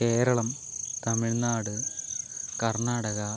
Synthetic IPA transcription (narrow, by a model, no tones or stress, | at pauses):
ke̞ːɾɐɭɐm | t̪ɐmiɭnaːɽɨ | kɐrɳaːɽɐɣɐ